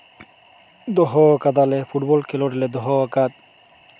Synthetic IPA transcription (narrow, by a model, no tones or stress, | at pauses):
d̪ɔɦɔkad̪alefʰuʈbɔlkʰeloɖiled̪ɔɦɔakat̪̚